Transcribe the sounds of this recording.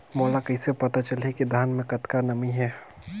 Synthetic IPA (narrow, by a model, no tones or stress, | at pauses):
moːlakɐɦĩsepɐt̪at͡ʃəlekid̪ʱaːnmẽkɐt̪kanəmiɦɛː